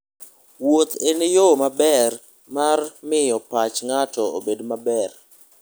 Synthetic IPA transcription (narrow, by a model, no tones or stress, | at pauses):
wot̪enɪjomabɛr | marmɪjɔpat͡ʃŋatɔobedmabɛr